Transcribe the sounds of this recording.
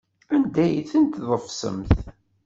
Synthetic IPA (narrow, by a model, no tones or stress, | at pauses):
ænd̪æjθənt̪ðˤəfsə̰mθ